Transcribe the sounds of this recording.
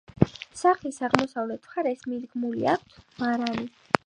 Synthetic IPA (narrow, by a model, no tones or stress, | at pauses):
saχlisaʁmɔsavlɛt̪ʰχaɾɛsmid̪ɡmulḭa̰k̚ʷʰt̪ʰmaɾani